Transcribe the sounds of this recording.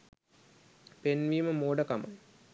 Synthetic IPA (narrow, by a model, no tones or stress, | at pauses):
penʋiːməmoːɖəkama̰j